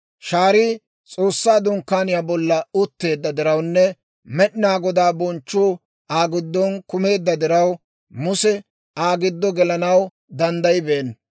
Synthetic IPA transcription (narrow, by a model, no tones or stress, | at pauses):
ʃaːɾiː | t͡sʼoːsːaːd̪ʊŋkːaːnɪjaːbɔlːɐʊt̪ːe̞ːd̪ːɐd̪ɪɾɐwnːɛ | mɛɗɪnaːɡɔd̪aːbɔnt͡ʃːuː | aːɡɪd̪ːɔnkʊme̞ːd̪ːɐd̪ɪɾɐw | mʊsɛ | aːɡɪd̪ːɔɡɛlɐnɐw | d̪ɐnd̪ɐjɪbeːn